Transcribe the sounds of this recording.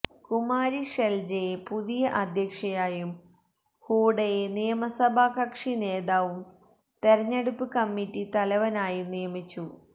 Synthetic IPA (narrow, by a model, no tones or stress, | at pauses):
kumaːɾiʂeld͡ʑɐjepuðijɐʔɐd̪ʱjɐkʂɐjaːjum | huːɽɐjenijɐmɐsɐbʱaːkɐkʂine̞ːðaːʋum | t̪e̞ɾɐɲːeɽupːɨkɐmːitːit̪ɐlɐʋɐnaːjumnijɐmit͡ɕːu